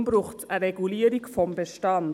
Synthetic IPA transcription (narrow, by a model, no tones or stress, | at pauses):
mbɾʊχtəɾɛɡuliːəɾikfɔmbeʃtɑn